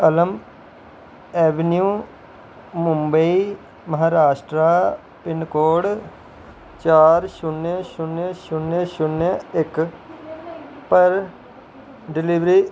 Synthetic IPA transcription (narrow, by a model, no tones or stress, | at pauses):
ələm | ɛːʋənjũː | mʊmbəiː | məɦaːɾaːʃʈɾaː | pɪnkoːɽ | t͡ʃaːɾʃʊneʃʊneʃʊnːeʃʊneɪk | pəɾ | ɖɪlɪʋɾiː